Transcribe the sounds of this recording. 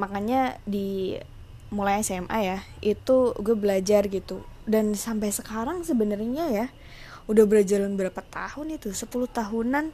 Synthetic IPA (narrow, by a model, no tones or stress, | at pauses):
makaɲadi | mulajɛsɛmʔa̰jait̪uɡabəlad͡ʒarɡit̪udansampajsəkaɾaŋsəbənərɲaja | udahbəɾad͡ʒarlanbəɾapat̪ahʊnit̪usəpulʊht̪aɦunan